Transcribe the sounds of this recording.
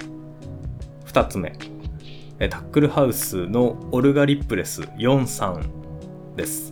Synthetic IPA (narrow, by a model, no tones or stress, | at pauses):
ɸɯ̟̥t̪at͡sɨme̞̰ | et̪ʰḁkːɯ̟ɾɯ̟haɯ̟sɨno̞ːɾɯ̟ɡaɾʲipːɯ̟ɾe̞sɨ̰jõ̞ɰ̃sãn | d̪e̞sɨ̥